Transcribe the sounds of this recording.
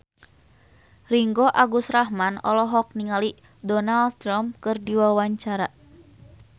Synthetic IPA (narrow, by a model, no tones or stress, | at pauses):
riŋɡɔʔaɡusɾaɦmanɔ̰lɔɦɔk̚niŋali | dɔnaldt̪ɾamp̚kɨrdiwawaɲt͡ʃaɾa